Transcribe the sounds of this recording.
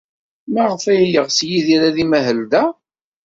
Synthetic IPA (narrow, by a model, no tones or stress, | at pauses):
mæʁəfæjjəʁsjiðiɾaðimæɦəld̪æ